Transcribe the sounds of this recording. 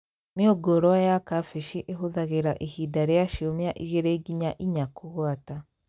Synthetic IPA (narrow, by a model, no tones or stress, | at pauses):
mioɡoɾoajakafiʃiʔeɦuðaɣeɾaʔihidaɾejaʃiomjaʔiʒeɾeɡiɲaʔiɲakuɣwata